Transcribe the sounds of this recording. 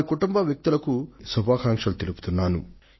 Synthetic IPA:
kuʈumbɐʋjɐk̚t̪ulɐkusubʱaːkaːŋkʂɐlut̪elupu̥t̪unːaːnṵ

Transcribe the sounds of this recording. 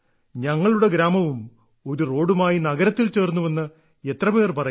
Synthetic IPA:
ɲɐŋːɐɭuɽe̞ɡɾaːmɐʋum | o̞ɾuro̞ːɽumaːjinɐɡɐɾɐt̪ːilt͡ɕe̞ːrnːuʋenːɨ | e̞t̪rɐpe̞ːrpɐrɐ

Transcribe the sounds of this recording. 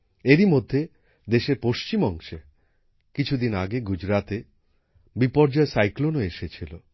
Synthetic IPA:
eɾimod̪ʱːe | d̪eʃeɾpoʃt͡ɕimɔŋʃe | kit͡ɕʰud̪inaɡeɡud͡ʑɾat̪e | bipɔɾd͡ʑɔesajklonoeʃet͡ɕʰilo

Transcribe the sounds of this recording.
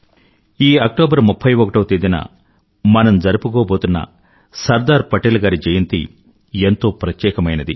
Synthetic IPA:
iːɐk̚ʈoːbɐɾmupʰːɐjʋokɐʈɐːt̪id̪inɐ̰ | mɐnɐmd͡ʒɐɾupukoːboːt̪unːɐ̰ | sɐɾd̪aːɾpɐʈelɐɡaːɾid͡ʒɐjɐnt̪ḭ | ent̪o̞ːpɾɐt̪jɛːkɐmɐjnɐd̪i

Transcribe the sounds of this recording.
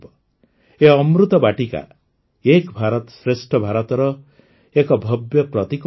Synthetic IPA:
eɔmɾut̪ɔbaʈika̰ | ekbʱaɾɔt̪sɾesʈʰɔbʱaɾɔt̪ɔɾɔ | ekɔbʱɔbjɔpɾɔt̪ik

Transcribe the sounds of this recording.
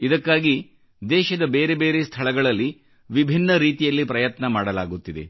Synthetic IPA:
id̪ɐkːaːɡi | d̪ɛːʃɐd̪ɐbeːɾebe̞ːɾest̪ʰɐɭɐɡɐɭɐlːi | ʋibʱinːɐɾiːt̪ijɐlːipɾɐjɐt̪nɐmaːɽɐlaːɡut̪ːid̪e̞̰

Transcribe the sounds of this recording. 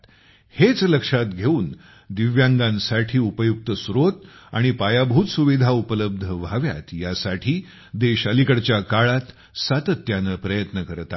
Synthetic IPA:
het͡sləkʂat̪ɡʱeuːn | d̪iʋjãŋɡãnsaʈʰiːupəjuk̚t̪əsɾot̪aɽ̃ipajabʱuːt̪suʋid̪ʱaupələb̚d̪ʱəʋaʋja̰t̪jasaʈʰiː | d̪eɕəlikəɽt͡ɕjakaɭat̪ | sat̪ət̪ːjanəpɾəjət̪nəkəɾt̪a

